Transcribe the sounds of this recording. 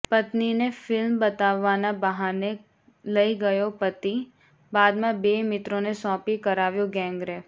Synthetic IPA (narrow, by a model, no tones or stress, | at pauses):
pɐt̪ninefɪlmbɐt̪aːʋaːnabəɦaːne | lɐiɡɐjopət̪i | baːd̪mãbeːmɪt̪ɾõnesɔ̃ːpikɐɾaːʋjoɡɛ̃ːŋɡɾɛː